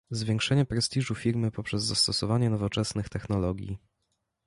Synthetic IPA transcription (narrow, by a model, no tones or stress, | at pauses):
zvʲjeŋkʂɛɲɛpɾɛsʲt̪ʲiʐufʲiɾmɘpɔpʂɛzːast̪ɔsɔvaɲɛnɔvɔt͡ʂɛsnɘxt̪ɛxn̪ɔlɔɡʲjḭ